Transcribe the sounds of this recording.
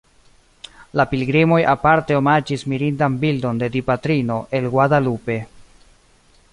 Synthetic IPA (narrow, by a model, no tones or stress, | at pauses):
lapilɡɾimo̞japaɾte̞omad͡ʒismiɾindanbildo̞nde̞dipatɾino̞ʔe̞lɡwadalupe̞